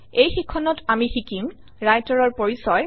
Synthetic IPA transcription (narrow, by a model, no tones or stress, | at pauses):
ejxikʰːɔnɔtamixikim | ɹajtɔɹɔɹpoɹisɔj